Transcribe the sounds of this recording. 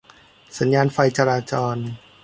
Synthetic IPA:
sa˩˦njaː˧nfa˧jt͡ɕa˧ɾaː˧t͡ɕɔː˧n

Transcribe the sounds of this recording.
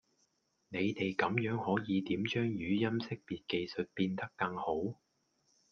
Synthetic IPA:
ne˨˧jt̪e˨jkɐ˨˧˥mjœː˨˥ŋhɔː˨˥jiː˨˧t̪iː˨˥mt͡ʃœː˥ŋjyː˨˧jɐ˥msɪ˥k̚piː˨t̚ke˨jsɵ˨t̚piː˧nt̪ɐ˥kːɐ˧ŋho˨˥w

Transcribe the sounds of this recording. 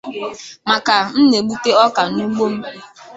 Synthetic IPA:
ma˨ka˨n̩˦ne˨ɡ͡bu˦te˦ɔ˦ka˨nu˦ɡ͡bo˦m̩˦

